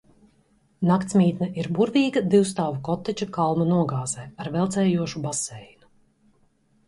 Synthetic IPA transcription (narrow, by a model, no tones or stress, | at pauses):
nakt̪smʲiːt̪naʔiɾbuɾvʲiːɡɐd̪iwst̪aːvukɔt̪ːɛt͡ʃakalˠmɐnuɔɡaːz̥ɛːaɾvɛlˠt̪sɛːjuɔʃubasɛjnu